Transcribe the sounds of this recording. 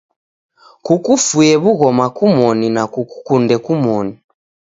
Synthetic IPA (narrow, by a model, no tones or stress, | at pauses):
kukufujɛβuɣɔmakumɔninakuku̥kundɛkumɔni